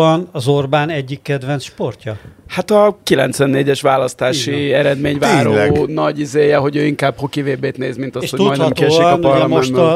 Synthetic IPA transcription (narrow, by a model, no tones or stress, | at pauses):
ɒnɒzo̞rbaːnɛɟːikːɛd̪vɛnsʃpo̞rcɒhat̪ɒkilɛ̰nt̪sʋɛnːeːɟɛʃʋaːlɒst̪aːʃiɛɾɛd̪meːɲvaːɾoːnɒɟizeːjɛɦo̞ɟøːiŋkaːbhokiveːbeːt̪neːzmint̪ɒseʃhot̪utɔɒj̪nhɛmkiɛʃenkɒpɒrlɔmɛnʃt̪ː